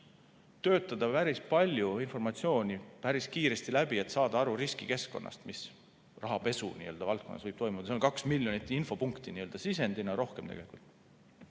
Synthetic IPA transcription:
t̪ø̞ːt̪ːˑɑd̪ɑpæɾispɑlʲjuinfo̞rmɑt̪sio̞ːnʲipæɾiskiːɾe̞st̪ilæb̥ie̞t̪sɑːd̪̥ɑɑɾuɾiskike̞sko̞nːʔɑ̰st̪mis | rʔɑɦɑpe̞sṵnḭøld̪ɑvɑlt̪̚ko̞nːɑ̰svɤjb̥t̪o̞jmud̪ɑseonkɑksmilʲjonit̪ːˑinfo̞puŋkt̪iniøld̪ɑsise̞nd̪̥inɑɾo̞hkemt̪ḛɡe̞likṵlt̪ːˑ

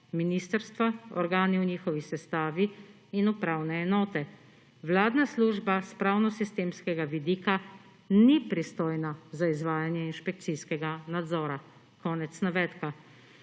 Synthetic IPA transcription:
miniːst̪əɾst̪ʋaɔ̰ɾɡaːniwniːxɔʋisɛst̪aːʋiː | nupɾaːwnɛːnɔːt̪ɛ | wlaːd̪nasluːʒbaspɾaːwnɔsist̪eːmskɛɡaʋid̪iːka | nipɾist̪oːjnazaizʋaːjanjɛinʃpɛk̚t̪siskɛɡanad̪zɔːɾa | kɔːnɛt̪snaʋɛːt̪ka

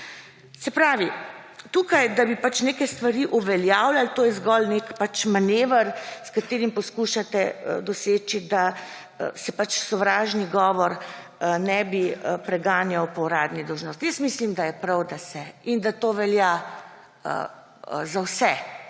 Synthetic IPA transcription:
sɛpɾaːʋit̪uːkajd̪abipat͡ʃneːkɛst̪ʋaɾiʔuʋɛljaːwlalt̪oːjɛzɡɔlnekpat͡ʃmaneːʋəɾskat̪eːɾimpɔskuʃat̪ɛəd̪ɔseːt͡ʃid̪a̰ | sɛpat͡ʃsɔʋɾaːʒniɡɔːʋɔɾ | nɛbiəpɾɛɡaːnjawpɔwɾaːd̪nid̪ɔwʒnoːst̪jəsmislimd̪ajɛpɾawd̪asɛind̪at̪oːʋɛlja | ə̰ | zawsɛ

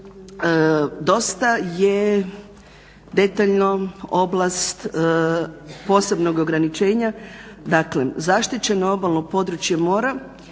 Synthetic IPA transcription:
d̪o̞st̪aje | d̪e̞t̪aʎnoo̞blˠast̪ | po̞ːse̞bno̞ɡo̞ɡɾanit͡ʃe̞ːɲad̪aklḛzaʃt̪it͡ɕe̞noobalˠnopo̞d̪ɾut͡ʃjemo̞ːɾa

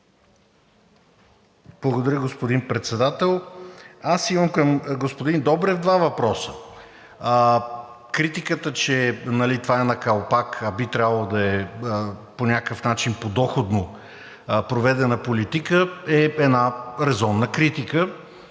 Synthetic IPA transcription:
b̥lˠɐɡod̪ɐɾʲəɡospod̪inpɾɛt̪sɛd̪at̪ɛlˠasiməmkəmɡospod̪ind̪ɔbɾɛvd̪vavɐpɾɔsə | kɾit̪ikət̪ət͡ʃɛnɐlit̪vaɛnɐkalˠpakɐbit̪ɾʲabəlˠod̪ɐɛ | ponʲakəfnat͡ʃinpod̪ɔxod̪no | pɾovɛd̪ɛnəpolit̪ikəɛɛd̪naɾɛzɔnːəkɾit̪ikə

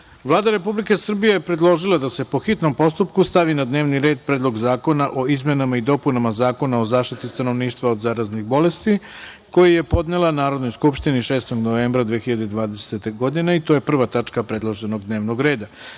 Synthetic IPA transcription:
ʋlˠaːd̪aɾe̞publike̞sr̩bijejepɾe̞d̪lˠo̞ʒilˠad̪ase̞po̞xit̪no̞mpo̞st̪upkust̪aʋinad̪ne̞ːʋniɾe̞ːd̪̚pɾeːd̪lˠo̞ɡzaːko̞naʔo̞izme̞namaid̪o̞punamazaːko̞nao̞zaːʃt̪it̪ist̪ano̞ʋniːʃt̪ʋaod̪zaːɾaznixbo̞le̞st̪i | ko̞jije̞po̞d̪nelˠanaːɾo̞d̪no̞jskupʃt̪iniʃe̞ːst̪o̞ɡno̞ʋe̞ːmbɾad̪ʋexiʎad̪ed̪ʋaːd̪e̞set̪eɡo̞d̪ine̞it̪oje̞pr̩ʋat̪at͡ʂkapɾed̪lˠoʒe̞no̞ɡd̪ne̞ːʋno̞ɡɾe̞ːd̪a

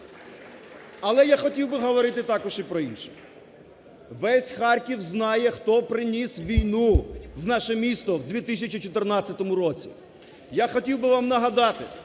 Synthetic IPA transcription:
ɐlˠɛjaxɔtʲiwbɪɦɔʋɔɾɪt̪ɪt̪ɑkɔʃipɾɔinʃɛ̥ | ʋɛsʲxɑrkʲiwznɑjɛxt̪ɔpɾɪnʲisʋʲijnuwnɑʃɛmʲist̪ɔwd̪ʲʋʲit̪ɪsʲɐt͡ʃʲit͡ʃɔt̪ernɑt͡sʲːɐt̪ɔmʊɾɔt͡sʲi | jaxɔtʲiwbɪʋɑmnɐɦɐd̪ɑt̪ɪ

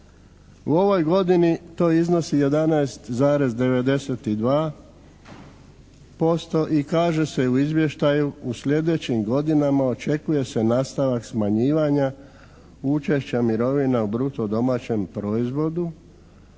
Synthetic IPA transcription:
uo̞ʋo̞jɡo̞d̪init̪o̞ːizno̞sije̞d̪anajst̪zaːɾe̞zd̪e̞ʋe̞d̪e̞se̞t̪id̪ʋaː | po̞st̪o̞ʔikaːʒe̞se̞uizʋje̞ʃt̪ajuusʎʲe̞d̪e̞t͡ɕimɡo̞d̪inamao̞t͡ʃe̞kuje̞se̞naːst̪aʋaksmaɲiːʋaɲa | ut͡ʃe̞ʃt͡ɕamiɾo̞ʋinaubɾut̪o̞d̪o̞maːt͡ɕe̞mpɾo̞izʋo̞d̪u

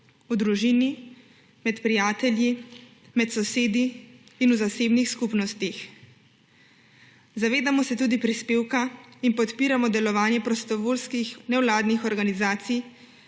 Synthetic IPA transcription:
ud̪ɾuʒini | mɛt̪pɾijaːt̪ɛlji | mɛt̪sɔseːd̪iːnuzaseːbnixskupnɔst̪ix | zaʋeːd̪amɔsɛt̪uːd̪ipɾispeːwkainpɔt̪piːɾamɔd̪ɛlɔʋaːnjɛpɾɔst̪ɔʋolskixnɛwlaːd̪nixɔɾɡanizaːt̪sij

